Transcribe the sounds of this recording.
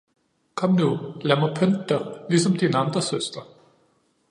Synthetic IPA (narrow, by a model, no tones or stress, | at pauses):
kʰɒ̽mnulæɐmɐpʰøndd̥ɐlisɒ̽md̥inɑ̈nd̥ʁɐsøsd̥ɐ